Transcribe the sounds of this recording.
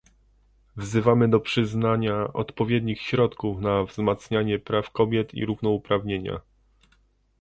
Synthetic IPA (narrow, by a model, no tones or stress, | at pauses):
vzɘvamɘd̪ɔpʂɘznaɲaʔɔ̰t̪pɔvʲjɛd̪ɲixɕɾɔt̪kufnavzmat̪sɲaɲɛpɾafkɔbʲjɛt̪ʰḭɾuvnɔupɾavɲeɲa̰